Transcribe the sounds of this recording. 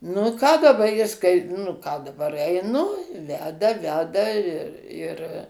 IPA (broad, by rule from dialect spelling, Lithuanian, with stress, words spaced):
nʊ ɪ ˈkɑː dɐˈbɐ ˈjɪs kɐɪ nʊ ˈkɑː dɐˈbɐr ɛɪˈnʊ ˈʋʲæːdɐ ˈʋʲæːdɐ ɪr ɪr